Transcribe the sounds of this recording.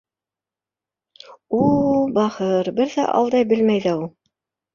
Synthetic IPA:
ubɑhɤɾbɘɾðæ̰ʔɑ̰lˠd̪ɑjbɘ̆lmæjðæulˠ

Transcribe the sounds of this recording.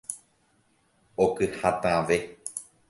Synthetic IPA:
okɨhat̪ãʋe

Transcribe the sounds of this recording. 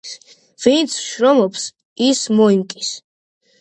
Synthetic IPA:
vint̪sʰʃɾɔmɔps | ismɔimkʼis

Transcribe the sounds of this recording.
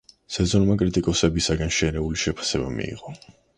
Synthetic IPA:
sɛzɔnmakʼɾit̪ʼikʼɔsɛbisaɡanʃɛɾɛuliʃɛpʰḁsɛbamḭḭʁɔ

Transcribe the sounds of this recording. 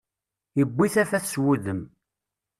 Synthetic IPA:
jəbʷːiθæfæθswuðəm

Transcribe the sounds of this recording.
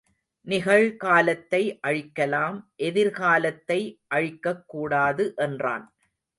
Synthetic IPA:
nɪɣɐɭkaːlɐt̪ːɐɪʔɐɻɪkːɐlaːmʔɛðɪɾkaːlɐt̪ːɐɪʔɐɻɪkːɐkːuːɽaːðɯʔɛndra̰ːn

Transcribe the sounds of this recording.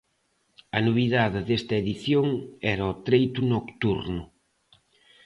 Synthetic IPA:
ɐnoβiðaðɪðest̪ɐeðiθjoŋɛɾɐɔt̪ɾejt̪unokt̪uɾnʊ

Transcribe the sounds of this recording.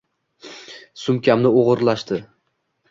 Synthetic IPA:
sʊmkʲamnɪoʁɨɾlaʃt̪ɪ

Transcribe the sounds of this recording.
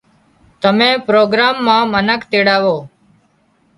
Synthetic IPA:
t̪əmẽːpɾoːɡɾaːmːãːmənəkt̪eːɽaːʋoː

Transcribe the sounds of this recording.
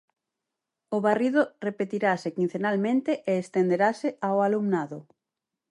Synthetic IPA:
ʊβariðorepet̪iɾasekĩn̟θenalmẽnt̪eʔeːst̪end̪eɾaseʔaoalumnaðʊ

